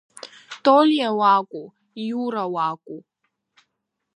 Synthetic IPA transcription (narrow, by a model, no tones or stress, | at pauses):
t̪oljawaːkʷʼu | ijuːɾawaːkʷʼu